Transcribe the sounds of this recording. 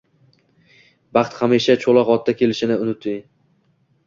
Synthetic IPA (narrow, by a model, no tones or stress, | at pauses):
bɑχt̪χamiʃat͡ʃʰolˠɒqɒt̪̚ʰːakʲʰe̞lɪʃɪnɪʊnʊt̪ʰɪj